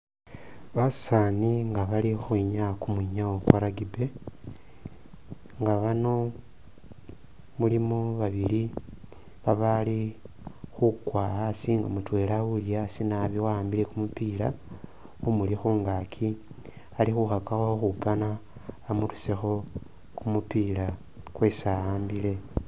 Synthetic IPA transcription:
βassaniŋɡaβalixuiɲakumwuiɲawokwaɾaɡibe | ŋɡaβano̞ | mulimo̞βaβili | βaβali | xukwaasiŋɡamutwe̞lawulijasinaβiwaːmbile̞kumupila | umulixuːŋɡakʰi | alixuxakaxaxoxupanaː | murusexo̞ | kumupila | kwe̞saaːmbile̞

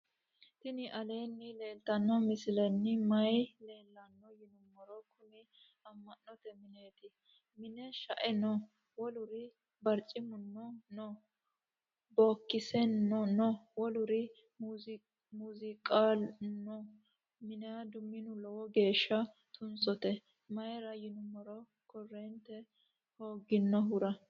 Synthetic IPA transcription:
t̪ɪnɪʔɐleːnːɪle̞ːlt̪ɐnːɔmɪsɪlɐnːɪmɐjle̞ːlːɐnːɔjɪnʊmːɔɾɔkʰʊmɪ | ɐmːɐnːɔt̪ɛmɪneːt̪ɪ | mɪnɛʃɐ̰ʔɛnɔ | wɔlʊɾɪ | bɐɾt͡ʃʼːɪmʊnːɔnɔ | boːkːɪsɛnːɔnɔwɔlʊɾɪ | mz | muːzɪkʼaːlnɔ | mɪnɛɐd̪ʊmːɪnʊlɔwɔɡe̞ːʃːɐ | t̪ʰʊnsɔt̪ɛ | mɐjɛɾɐjɪnʊmːɔɾɔ | kɔrːeːnt̪ɛ | ho̞ːɡɪnːɔɦʊɾɐ

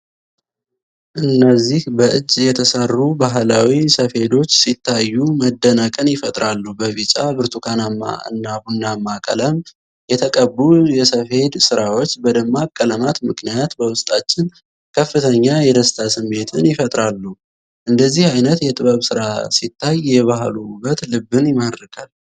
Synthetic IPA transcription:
ʔɨnːəzːihbəʔɨd͡ʒːjɛt̪ʰəsərːubaɦlawisəfhe̞d̪o̞t͡ʃːsit̪ʰːajːuməd̪ːənəkʼɨnjɪfət̪ʼɾalːubəvit͡ʃʼabɨɾt̪ʰʼukʰanamːa̰ɨ̰nːabunːamːakʼə̰ləm | jɛt̪ʰəkʼəbːujɛsəfhe̞d̪sɨɾawo̞t͡ʃːbəd̪əmːakʼːələmat̪mɨkʰnijat̪bəwʊst̪ʼat͡ʃːɪn | kʰəfːɨt̪ʰəɲːajɛd̪əst̪ʰasɨmːe̞t̪ʰɨnjɪfət̪ʼɾalːu | ʔɨnd̪əzːihajnət̪jɛt̪ʼɨβəβsɨɾasit̪ʰːajːɛβaɦlubət̪lɨbːɨnjɪmad̪ɾəkʰal

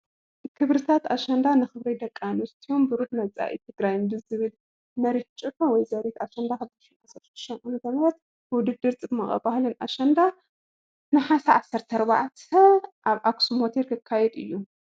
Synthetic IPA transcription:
kʰɨβɾɨt̪ʰat̪aʃɐnd̪anɨxɨβɾɐjd̪ɐkʼːanɨst̪ʰijombɨɾuħnɐt͡sʼa̰ʔḭt̪ʰɨɡɾajumbɨzɨβɨl | mɐɾit̪t͡ʃʼɨħɐwɔjzɐɾit̪aʃɐnd̪akʰɨd̪ɨʃinʕasɐɾʃd̪ɨʃt̪ɐnkɨnt̪ʰɐmɾɐt̪ | wʊd̪ɨd̪ːɨɾt͡sʼɨbmɐχʼɐ̰bahlɨnʔa̰ʃɐnd̪a | nɨħasɐʕasːɐɾt̪ʰɐɾba̰ʕt̪ʰɐʔaβʔaksumot̪ʰeɾkʰɨkʰːajɛd̪ɨ̰jːu

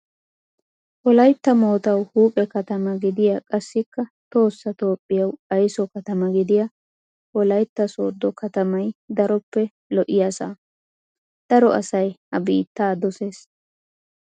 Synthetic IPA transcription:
wɔlɐjt̪ːɐmo̞ːt̪ɐwhuːpʼɛkɐt̪ɐmɐɡɪd̪ɪjakʼɐsːɪkːɐt̪o̞ːsːɐt̪o̞ːpʼːɪjɐwɐjsɔkɐt̪ɐmɐɡɪd̪ɪja | hɔlɐjt̪ːɐso̰ːd̪ːɔkɐt̪ɐmɐjd̪ɐɾɔpːɛ | lɔʔɪjasa̰ː | d̪̥ɐɾɔʔɐ̰sɐjhɐbḭːt̪ːaːd̪ɔse̞ːs

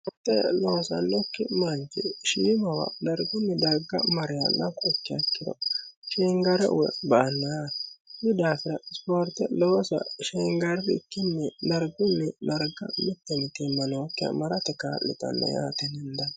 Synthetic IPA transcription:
ɔɾt̪ːɛloːsɐ̰nːɔkːɪmɐnt͡ʃɪʃiːmɐwɐ̰dɐɾɡʊnːɛd̪ɐɾɡːɐ̰mɐɾɪjanːɐkːɔɛkːɪjɐkːɪd̪ɔ̰ʃeːŋɡɐɾɛʔʊbɐʔɐnːanɪd̪aːfɪɾɐɪspoːɾt̪ːɛloːsɐ̰ʃeːŋɡɐɾbɪɪkːɪnːɛnɐɾɡʊnːɛdɐɾɡɐ̰mɪt̪ːɛmɪt̪ɪmːɐnwɔkːɪɐ̰mɐɾɐt̪ɛkaːlːɪ̰t̪ɐ̰nːɐ̰ja̰ːt̪ɛnɛnd̪ɐ

